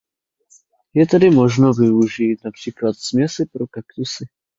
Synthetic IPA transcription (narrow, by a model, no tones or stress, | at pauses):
jɛt̪ɛdɪmoʒnovɪuʒiːt̪napr̝̥iːklat̪smjɛsɪpɾokakt̪usɪ